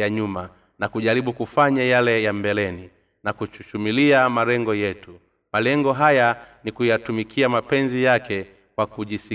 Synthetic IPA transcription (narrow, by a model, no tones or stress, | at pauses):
jaɲuma | nakuʄaɾiɓukufaɲajalɛjambɛlɛni | nakut͡ʃut͡ʃumiliamalɛŋɡɔjɛtu | malɛŋɡɔɦajanikujatumikʰiamapɛnzijakɛ | kwakuʄisi